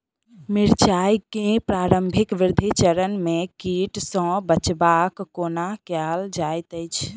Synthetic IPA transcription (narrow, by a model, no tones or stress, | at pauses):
miɾt͡ʃajkẽpɾaɾəmbʱikʋiɾd̪ʱit͡ʃəɾənmekiʈsə̃bət͡ʃbakːonakjald͡ʒajt̪əɪt͡ʃʰ